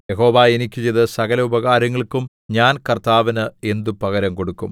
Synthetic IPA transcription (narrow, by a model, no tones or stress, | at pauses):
jeɦo̞ːʋaːenikʲːut͡ɕejðɐsɐɣɐlɐubɐɣaːɾɐŋːɐɭkum | ɲaːnkɐrt̪aːʋɐnɨe̞nd̪upɐɣɐɾɐmko̞ɽukːṵm